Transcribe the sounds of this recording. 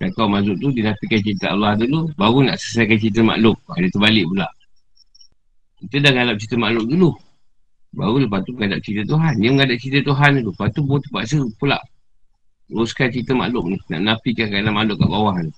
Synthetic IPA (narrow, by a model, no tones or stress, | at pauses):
sakawmazʊʔ̚t̪udinapikant͡ʃit̪əalːahdulubaɣuna̰ʔsəs̬ajkant͡ʃit̪̬əma̰ʔlʊʔ̚adət̪əbalɪʔ̚pulaʔ | kit̪ədahŋalap̚t͡ʃit̪əmaʔlʊk̚dulu | ba̰ɣuləpat̪uməŋadap̚t͡ʃit̪ət̪uɦanjəməŋadap̚t͡ʃit̪ət̪uɦanlupat̪ubuɔt̪əpaʔs̬əpula̰ʔ | ɾuskant͡ʃit̪əma̰lʊʔ̚nina̰ʔnapikakanamalʊʔ̚ka̰ʔbawaɦn